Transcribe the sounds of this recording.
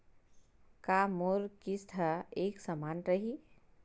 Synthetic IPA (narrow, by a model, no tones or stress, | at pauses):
kamoɾkist̪ʰəeksəmanɾəɦi